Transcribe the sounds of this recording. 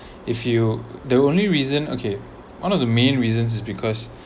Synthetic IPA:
ifjudəõnliɹizə̃no̰kʰe | wʔãnɔvdəmẽnɹizə̃ns̬ɪsbikʰɔs

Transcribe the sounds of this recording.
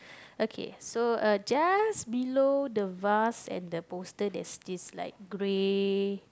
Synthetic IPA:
okʰḛsoʌd͡ʒasbilodəvasɛ̰̃ndəpostədɛ̰tsdisla̰ɪk̚ɡɹe

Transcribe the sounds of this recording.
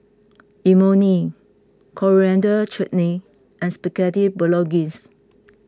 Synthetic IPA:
ʔimoni | kʰɔɹiɛ̃ndət͡ʃɛʔni | ʔɛ̃nspɛkɛtifbəlɔɡĩs

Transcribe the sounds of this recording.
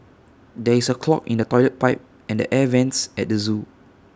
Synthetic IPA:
dɛisəkʰlɔ̰kĩndətɔjlət̚paɪp̚ | ɛ̃ndə̰ʔɛvɛ̃nsɛt̚dəzu

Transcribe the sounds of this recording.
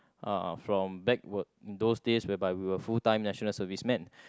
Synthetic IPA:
ʔa̰fɹɔ̃mbɛk̚wətĩndosdeswɛbaɪwiwəfultãɪ̃mnɛʃənəlsəvismɛ̃n

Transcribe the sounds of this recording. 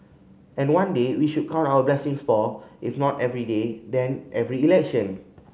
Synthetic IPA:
ɛ̃nwãndewiʃut̚kʰãʊ̃ntawəblɛsĩŋsfɔifnɔtɛvɹidedɛ̃nʔɛvɹiːlɛk̚ʃə̃n

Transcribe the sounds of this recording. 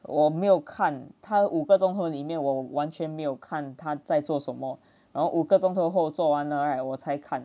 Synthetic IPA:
wɔmeɪjoʊkʰant̪ʰauɡət͡sʊŋt̪ʰɤlimjɛnwɔwant͡ʃʰɥɛnmeɪjoʊkʰant̪ʰat͡saɪt͡swɔʂənmə | ɻanhoʊʔuɡəʈ͡ʂʊŋt̪ʰoxoʊt͡swɔwanəəwɔt͡sʰaɪkʰan

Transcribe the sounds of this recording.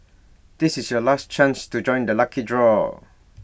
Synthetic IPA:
d̥isisjɔlast͡ʃãnstud͡ʒɔ̃ɪ̃ndəlakʰidɹɔ

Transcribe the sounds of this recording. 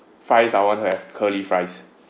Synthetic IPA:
fɹajsajwɔ̃ntuhɛvkʰəlifɹaɪs

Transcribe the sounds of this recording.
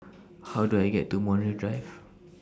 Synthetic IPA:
hawduajɡɛtːumɔ̃nɹidɹajv

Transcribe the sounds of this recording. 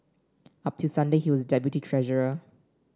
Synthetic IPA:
ap̚tʰusãndehiwɔsdɛpjutitʰɹɛʒəɹə

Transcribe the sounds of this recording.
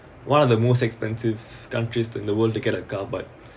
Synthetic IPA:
wãnɔvd̪əmoːstɛkspɛ̃nsivkãntɹisɪ̃ndəwəld̚tuɡɛɾəkabat̚

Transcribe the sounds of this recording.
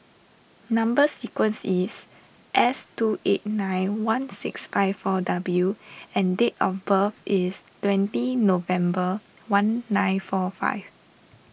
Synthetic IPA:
nãmbəsikwə̃nsis | ʔɛstuʔet̚nãjnwãnsɪksfaɪffɔdabljuɛ̃ndetɔfbəfistwɛ̃ntinovɛ̃mbə | wãnːãjnfɔfa̰ɪv

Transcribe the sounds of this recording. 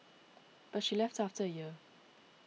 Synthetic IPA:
b̥ʌtʃilɛftæftəjɪ

